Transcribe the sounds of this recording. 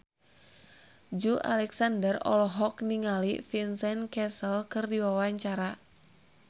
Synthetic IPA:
d͡ʒuʔa̰lɛksandərɔ̰lɔɦɔkniŋalḭfinsɛnkɛsəlkɨrdiwawaɲt͡ʃaɾa

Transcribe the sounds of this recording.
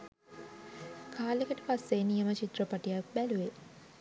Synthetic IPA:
kʰaːlekəʈəpasːenijəmət͡ʃit̪rəpaʈijak̚bæluʋe

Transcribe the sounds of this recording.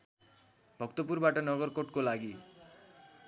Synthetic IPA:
bʱʌkt̪opurbaʈʌnʌɡʌrkoʈkolaɡi

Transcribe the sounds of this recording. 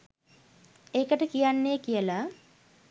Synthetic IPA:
eːkəʈəkijanːekijəla

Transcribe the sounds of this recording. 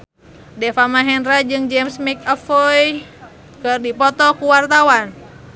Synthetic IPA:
dɛfamaɦɛnɾad͡ʒɨŋd͡ʒɛmsmik̚afɔj | kɨrdipɔt̪ɔkuwart̪awan

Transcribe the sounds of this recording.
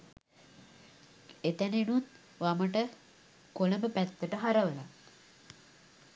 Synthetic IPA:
et̪ænenun | ʋaməʈə | koləmbəpæt̪ːəʈəɦaɾəʋəla

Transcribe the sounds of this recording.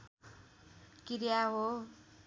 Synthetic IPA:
kiɾjaɦo

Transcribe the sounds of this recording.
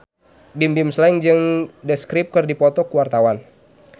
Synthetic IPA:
bimbimslɛŋd͡ʒɨŋdəskɾip̚kɨrdipɔt̪ɔkuwart̪awan

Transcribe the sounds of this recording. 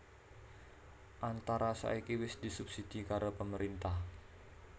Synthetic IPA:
ʔant̪aɾasa̰ikiwɪsdisub̥sid̥ikaɾopəməɾint̪ah

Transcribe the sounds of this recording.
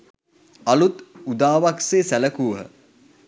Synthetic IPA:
alut̪ud̪aːʋakseːsæləkuːɦə̰

